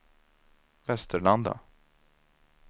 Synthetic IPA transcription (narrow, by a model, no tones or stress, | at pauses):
vɛst̪əɭand̪a̰